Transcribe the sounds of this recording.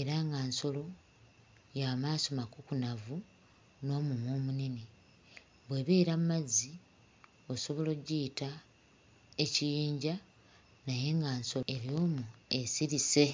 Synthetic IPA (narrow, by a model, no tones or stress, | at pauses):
e̞ɾaŋɡaːnso̞lo̞ | jaːmaːsomakukunavu | no̞ːmumwo̞ːmunini | βwe̞βeːɾammazi | o̞so̞βo̞lo̞ɟiːta | ecijiːɲɟa | naje̞ŋɡaːnso̞eɾjo̞ːmue̞siɾise̞